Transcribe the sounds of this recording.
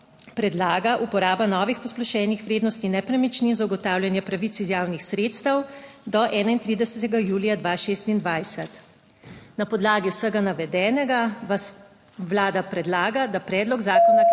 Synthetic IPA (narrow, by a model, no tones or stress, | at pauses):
pɾɛd̪laːɡaʔupɔɾaːbanɔːʋixpɔsplɔʃɛːnixʋɾeːd̪nɔst̪inɛpɾɛmit͡ʃninzaɡɔt̪aːwljɛnjɛpɾaʋit̪sizjaːwnixsɾeːt̪st̪əwd̪ɔʔɛːnaint̪ɾiːd̪ɛsɛt̪ɛɡajuːlijad̪ʋaʃeːst̪ind̪ʋaːjsɛt̪ | napɔd̪laːɡiwsəɡanaʋɛd̪ɛːnɛɡa | wlaːd̪apɾɛd̪laːɡad̪apɾɛːd̪lɔɡzaːkɔna